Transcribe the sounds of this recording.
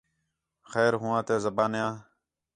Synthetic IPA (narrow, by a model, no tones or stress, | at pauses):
xɛːɾɦʊːãːt̪eːzəbaːnjãː